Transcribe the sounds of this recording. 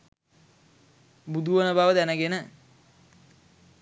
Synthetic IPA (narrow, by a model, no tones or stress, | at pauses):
bud̪uʋənəbaʋəd̪ænəɡenə